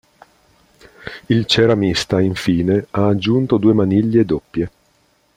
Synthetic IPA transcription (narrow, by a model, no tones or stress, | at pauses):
ilt͡ʃeɾamist̪aiɱfiːneaːd͡ʒːunt̪od̪uːemaniʎːed̪opːje